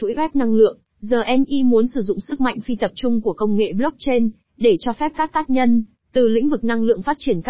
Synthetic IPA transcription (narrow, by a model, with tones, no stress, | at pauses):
t̪ʰṵ˧˥jwɛ˦˥p̚na˧ŋlɨ̰˧˨əŋ | zəː˨˩ʔɛ˧mʔi˧mu˨˦ənsɨ˧˩zʊ̰˧˨ŋ͡msɨ˦˥k̚ma̰˧˨jŋ̟fi˧t̪ə˨˩p̚t͡ɕʊ˧ŋ͡mku˧˩əkə˧wŋ͡mŋḛ˧˨ɓlɔ˦˥k̚t͡ɕe˧n | ɗe˧˩t͡ɕɔ˧fɛ˦˥p̚kaː˦˥k̚t̪aː˦˥k̚ɲə˧n | t̪ɨ˨˩lḭ̈˧˥ŋ̟vɨ˨˩k̚na˧ŋlɨ̰˧˨əŋfaː˦˥t̚t͡ɕi˧˩ənka˦˥